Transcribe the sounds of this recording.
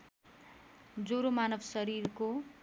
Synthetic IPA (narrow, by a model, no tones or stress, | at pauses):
d͡zoɾomanʌbsʌɾirko